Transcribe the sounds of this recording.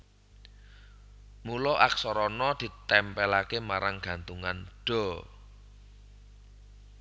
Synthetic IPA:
mulɔʔaksɔɾɔnɔd̪̥i̤t̪ɛmpɛlakemaɾaŋɡ̥a̤nt̪uŋanɖ̥ɔ̤

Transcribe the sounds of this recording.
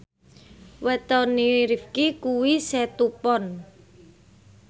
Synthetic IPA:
wɛt̪ɔniɾifkikuwisɛt̪upɔn

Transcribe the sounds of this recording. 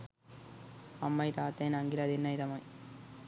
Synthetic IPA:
ɐmːɐjt̪aːt̪ːeːnɐŋɡilɐd̪ɪnːɐjt̪ɐmɐj

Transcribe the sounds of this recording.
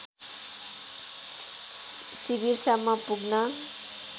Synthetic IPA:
sibiɾsamːʌpuɡnʌ

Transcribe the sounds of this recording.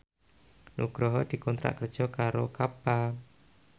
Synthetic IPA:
nṵɡ̥ɾɔɦɔd̪̥i̤kɔnt̪ɾa̰ʔkərd̥ʒ̥ɔkaɾokapa

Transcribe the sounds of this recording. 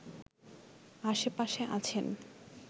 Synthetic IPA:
aʃepaʃeʔat͡ɕʰen

